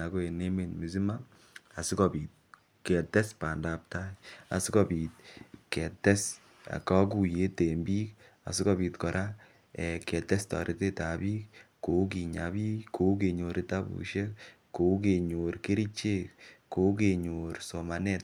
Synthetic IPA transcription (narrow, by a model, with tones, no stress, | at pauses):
a˨ko˦e˨ne˦me˨nmi˨s̬i˦ma˦ | a˨si˦kɔ˨bi˨t̚ | kɛ˨tɛ˦spa˨nda˨p̚ta˦ja̰˨si˦kɔ˦bi˨t̚kɛ˨tɛ˦s | a̰˨ka˦k̬u˨je˦te˨mbiː˦k | a̰˨si˦kɔ˧bi˨tkɔ˨ɾʔa˦ | ɛ˨kɛ˨tɛ˦stɔ̰˨ɾʔi˦te˦ta˨biː˦k | ko˨˦k̬i˨ɲa˨biː˦kʰːo˦k̬e˨ɲo˨ɾi˦ta˦bṵ˨ʃe˦k | kːo˨k̬e˨ɲo˨ɾke˦ɾi˦t͡ʃe˦kko˨˦k̬e˨ɲo˨ɾso˨ma˨nɛ˦t̚